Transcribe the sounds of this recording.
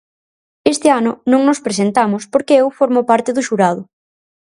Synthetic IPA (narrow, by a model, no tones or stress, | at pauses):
est̪ɪanʊnõŋnʊspɾes̬ent̪amʊspoɾkeewfoɾmopaɾt̪ɪðʊʃuɾað̞ʊ